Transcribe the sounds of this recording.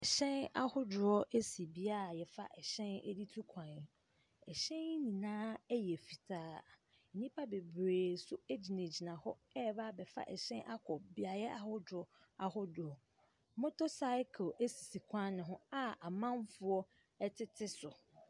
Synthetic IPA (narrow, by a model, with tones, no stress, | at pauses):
ɛ˨ɕɛ̃˦na̰˦hʊ˦dʊ˨ɾɔ˦ʔe˦si˨bi˦a˦˨jɛ˨fa̰˦ʔɛ˨ɕɛ̃˦nɛ̰˦di˦tʰu˦kʰã˨n˨ | ɛ˨ɕɛ̃˦n˦nĩ˨nãː˦jɛ˨fi˨tʰaː˦˨ | nĩ˦pʰa˦be˨bɾeː˨sʊ˦e˦d͡ʑi˨ne˨d͡ʑi˨nã˨hɔ˦ɛ˦˨ba˦˨bɛ˨fa̰˦ʔɛ̰˨ɕɛ̃˦nʔa˦kʰɔ˨bi˦a˨jɛ˦ʔa˨hʊ˦dɾɔ˦ | a˨hʊ˦dʊ˨ɔ˨˦ | mʊ̃˦tʰo˦sa˦ɪ˦kʰe˦si˨si˨kʷʰã˦nɪ̃˨ɦʊ̃˦a˦a˨mã˦nfʊ˦ɔ˦ | ɛ˦tʰɪ˦tʰɪ˦sʊ˨